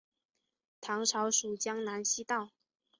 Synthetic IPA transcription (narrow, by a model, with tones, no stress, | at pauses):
t̪ʰɑ˧˥ŋʈ͡ʂʰɑ˧˥ʊʂu˨˩t͡ɕjɑ˥ŋna˧˥nɕi˥t̪ɑ˥˩ʊ